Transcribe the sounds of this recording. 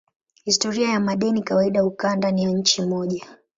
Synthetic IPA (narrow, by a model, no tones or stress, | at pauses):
histɔɾiajamaɗɛnikawaiɗaukandanijaɲ̩t͡ʃimɔʄa